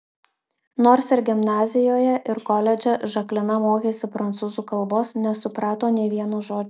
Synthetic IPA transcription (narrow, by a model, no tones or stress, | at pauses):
noːɾsɪɾɡʲɪmnɑːzʲɪjoːjɛʔɪɾkɔlʲɛd͡ʒʲɛʒɐklʲɪnɐmoːkʲeːsʲɪpɾɐnt̪suːzuːkɐlˠˑboːsnʲɛsʊpɾɑːt̪oːnʲeːʋʲiɛnuːʒoːd͡ʒʲ